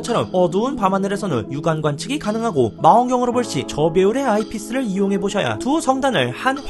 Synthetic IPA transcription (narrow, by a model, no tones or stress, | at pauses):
t͡ɕʰʌɾʌ̰mʌduunpamandɯɾe̞sʰʌnɯ̰njuɡanɡwant͡ɕʰɯɡikanɯŋɦaɡomaʌŋɡjʌŋɯɾoboɭɕ͈it͡ɕʌbe̞uɾe̞aipʰis͈ɯɾɯɭijoŋɦe̞boɕʰʌja̰tusʰʌŋdanɯɭhan